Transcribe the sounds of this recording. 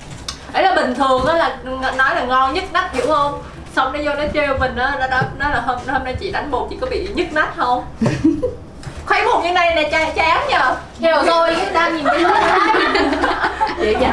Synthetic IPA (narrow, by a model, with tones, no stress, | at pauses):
ʔə˨˦jlaː˨˩ɓï˨˩ŋ̟t̪ʰɨ˨˩əŋʔaː˨˦laː˨˩˨nɔ˨˦jlaː˨˩ŋɔ˧nɲɨ˦˥t̚ma˦˥t̚hi˧˩əwhə˧wŋ͡m | sa˧wŋ͡mnɔ˨˦zo˧nɔ˨˦t͡ɕe˧˨mï˨˩ŋ̟ʔaː˨˦nɔ˨˦ɗaː˨˧˥nɔ˨˦laː˨˩ɦə˧nɔ˨˦hə˧na˧jt͡ɕḭ˧˨ɗa˨˦jŋ̟ɓo˨˩t̚t̪ʰḭ˧˨kɔ˨˦ɓḭ˧˨ɲɨ˦˥t̚ma˦˥t̚hə˧wŋ͡m | xwɛ˨˦mo˨˩t̚ɲɨ̰˧˥˦ŋna˧jna˨˩t͡ɕa˧˨˦t͡ɕaː˨˦nɲəː˧ | e˧˩˨t̪o˧jɗaː˧ɲi˨˩n˨˦˧